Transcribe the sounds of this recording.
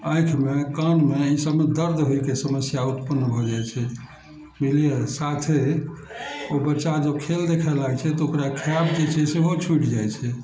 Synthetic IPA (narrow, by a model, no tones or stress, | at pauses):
ãjkʰmekanmeisəbmed̪əɾd̪ɦojkesəməsjaut̪pənːbʱɔd͡ʒajt͡ʃʰɛ | miliesat̪ʰe | obəʃad͡ʒəbkʰeld̪ekʰɛlaɡt͡ʃʰɛt̪ɔokɾakʰijabd͡ʒet͡ʃʰɛseɦot͡ʃʰuʈd͡ʒajt͡ʃʰɛ